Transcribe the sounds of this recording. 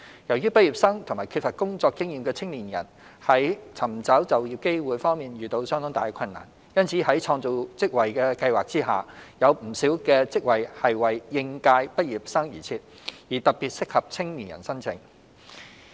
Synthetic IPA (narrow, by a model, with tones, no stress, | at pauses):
jɐ˨˩wjyː˥pɐ˥t̚ji˨p̚sɐ˥ŋt̪ʰʊ˨˩ŋmaː˨˩kʰyː˧t̚fɐ˨t̚kʊ˥ŋt͡sɔː˧kːɪ˥ŋjiː˨mkɛː˧t͡sʰɪ˥ŋliː˨˩njɐ̰˨˩n | hɐ˨˥jt͡sʰɐ˨˩mt͡sɐ˨˥wt͡sɐ˨wjiː˨˩p̚ke˥jwuː˨˧jfɔː˥ŋmiː˨nɥyː˨t̪o˧wsœ˥ŋt̪ʊ˥t̪aː˨jkʰɐ˧nːa̰ː˨˩n | jɐ˥nt͡sʰiː˨˥hɐ˨˥jt͡sʰɔː˧ŋt͡so˨˧wt͡sɪ˥k̚wɐ˨jkɛː˧kɐ˧jwaː˨k̚t͡siː˥ɦa̰ː˨jɐ˨˧wm̩˨˩siː˨˥wkɛː˧t͡sɪ˥k̚wɐ˨jhɐ˨jwɐ˨jːɪ˧ŋkaː˧jpɐ˥t̚jiː˨p̚sɐ˥ŋjḭː˨˩t͡sʰiː˧t̚ | jiː˨˩t̪ɐ˨˩k̚piː˨t̚sɪ˥k̚hɐ˨p̚t͡sʰɪ˥ŋniː˨njɐ̰˨˩nsɐ˥nt͡sʰɪ̰˨˩ŋ